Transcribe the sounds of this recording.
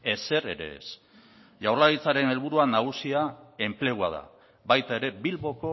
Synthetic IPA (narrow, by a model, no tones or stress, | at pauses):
e̞se̞ɾe̞̰ɾe̞̰ːs | ʝawrlaɣit͡saɾe̞ne̞lβuɾuanaɣ̞usiae̞mple̞ɣ̞ua̰ð̞a̰ | βajt̪ae̞ɾe̞bilβo̞ko̞